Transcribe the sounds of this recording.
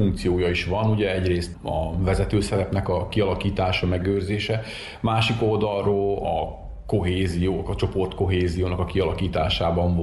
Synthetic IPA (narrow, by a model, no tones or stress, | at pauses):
uŋk̚t̪sijoːjɒiʃʋɒnuɟɛɛɟreːst̪ɒ̰vɛzɛt̪øːsɛɾɛpnɛkɒkiɒlɒkiːt̪aːʃɒmɛɡøːrzeːʃɛ | maːʃiko̞ld̪ɒlroːlɒ | ko̞ɦeːzijoːkɒt͡ʃo̞po̞rt̪ko̞ɦeːzijoːnɒkɒkiɒlɒkiːt̪aːʃaːbɒɱv